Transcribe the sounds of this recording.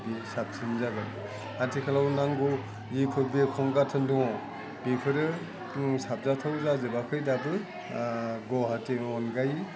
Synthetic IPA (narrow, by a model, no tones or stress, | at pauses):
bisap̚sinzaɡaj | atʰikʰalawnaŋɡɔw | zipʰɯɾbekʰɔŋɡatʰɯndɔŋɔ | b̥ipʰɯɾɯ | sap̚zatʰawzazɯbakʰɯjdabɯ | ɡɔɦateŋɔnɡaj